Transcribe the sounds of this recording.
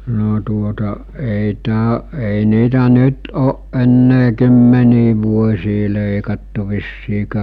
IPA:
no tuotɑ ei tæː ei niːtæ nyt oːʔ ʔenːeː kymːeniː ʋuosʲiː leˑikɑtːu ʋisːiːkæː

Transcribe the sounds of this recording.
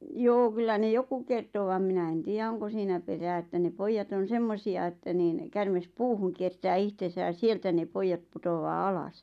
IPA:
joː kylːæ ne joku kerto ʋɑm minæ en tiːjæ oŋko siːnæ peræː etːæ ne poijːɑt on̞ semːosiɑ etːæ niːn kærmes puːhuŋ kiertæː ihtesæ j̆ɑ sieltæ ne poijːɑt̆ putowɑː ɑlɑs

